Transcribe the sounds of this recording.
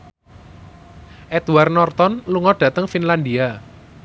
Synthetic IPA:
ʔɛt̪uwarnɔrt̪ɔnluŋɔɖ̥ä̤t̪əŋfinland̪ia

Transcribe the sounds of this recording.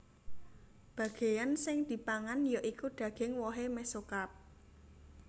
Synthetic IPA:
b̥ä̤ɡ̥e̤jansɪŋd̪̥i̤paŋanjoʔikuɖ̪̥ä̤ɡ̥ɪŋwɔɦemɛsokap̚

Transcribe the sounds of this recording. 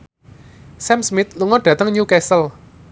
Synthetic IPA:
sɛmsmɪt̪̚luŋɔɖ̥ä̤t̪əŋɲukɛsəl

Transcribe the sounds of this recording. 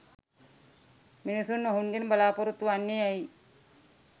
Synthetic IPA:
minisunːoɦunɡenəbalaːpoɾut̪ːuʋanːeai

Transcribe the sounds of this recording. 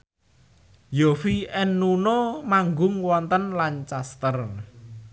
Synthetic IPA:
jofiɛnːunomaŋɡʊŋwɔnt̪ənlant͡ʃast̪ər

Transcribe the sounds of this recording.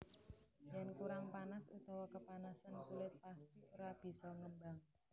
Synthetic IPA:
jɛnkuɾaŋpanasṵt̪awakəpanasankulɪt̪̚past̪ioɾab̥i̤sɔŋəmbaŋ

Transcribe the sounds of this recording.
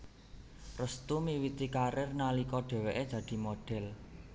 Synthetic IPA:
rəst̪umiwit̪ikaɾɪrnalikɔɖ̥ɛ̤weʔed̥d̪̥ä̤d̪̥i̤moɖ̥ɛ̤l

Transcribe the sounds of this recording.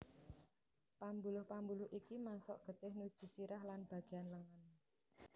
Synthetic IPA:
pambulʊhpambulʊhʔikimansɔ̰ʔɡ̥ə̤t̪ɪhnud̥ʒ̥ṳsiɾahlanb̥a̤ɡ̥eanləŋən

